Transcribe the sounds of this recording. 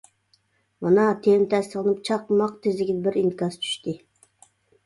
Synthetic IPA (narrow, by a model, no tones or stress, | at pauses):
mɑnɑt̪ʰelɪmt̪ʰɛst̪əlˠɨnɨp̚t͡ʃʰɑqmɑqt̪ʰezlɪkʲid̪ɛbɪɾinkɑzt͡ʃʰy̥ʃt̪ɪ